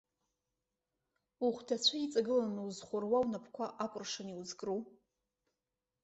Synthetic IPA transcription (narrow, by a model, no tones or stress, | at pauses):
uχʷdʰat͡ɕʷʰait͡sʼaɡɨlanuwzχʷʊrwawnapʰkʷʰaʔakʷʼʊrʂaniwuzkʼruw